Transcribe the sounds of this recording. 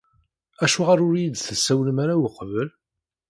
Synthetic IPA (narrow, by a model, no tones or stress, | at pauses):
æʃuʁaɾʊɾjid̪θəsːæwləmaɾawəqvəl